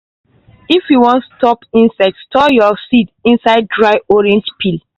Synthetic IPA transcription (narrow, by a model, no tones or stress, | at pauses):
ifjuwɔ̃ntstɔpĩnsɛk̚tstʰɔjɔsitĩnsaɪd̚dɹaɪʔɔɹɛ̃nd͡ʒpʰil